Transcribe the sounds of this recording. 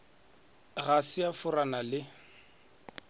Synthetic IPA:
ɣasɪafʊranalɪ

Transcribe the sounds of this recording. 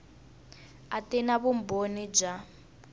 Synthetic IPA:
atɛnaβum̩bonid͡ʒa

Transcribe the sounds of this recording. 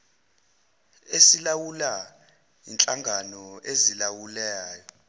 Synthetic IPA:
esilawula | int͡ɬʼaŋɡʱanɔʔezilawulaːjɔ

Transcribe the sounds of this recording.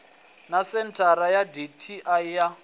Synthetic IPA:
nasɛntʰaɾajaditʰiʔaija

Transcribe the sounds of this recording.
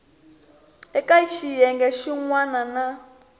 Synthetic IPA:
ɛkʼait͡ʃijɛŋɡɛʃiŋwanana

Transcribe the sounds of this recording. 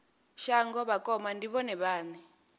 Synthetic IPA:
ʃaŋɡɔβakɔmandiβɔnɛβaːni

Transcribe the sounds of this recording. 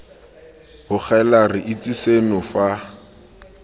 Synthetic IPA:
hʊk͡xʰɛlarɪʔɪt͡sʼisenʊfa

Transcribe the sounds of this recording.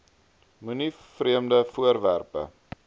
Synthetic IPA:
myni | friəmdəfuərvæ̰rpə̰

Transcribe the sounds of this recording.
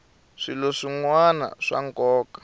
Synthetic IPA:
ʂiloʂiŋwana̰ʂa̰ŋkɔːkḁ

